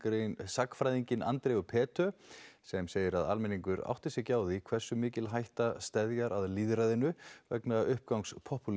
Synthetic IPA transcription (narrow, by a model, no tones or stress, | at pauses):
sakfɾajðiɲcɪnʔa̰nt̪ɾɛɣʏpʰɛːt̪œsɛmseːjɪɾaða̰lmɛniŋkʏɾa̰wht̪ɪsjɛcaːwðɪikʰv̥ɛr̥sʏmɪːcɪlɦajht̪ast̪ɛðjaɾaðliːðɾajðɪnʏvɛ̰knaʔʏhp̚kawŋkspʰɔhpul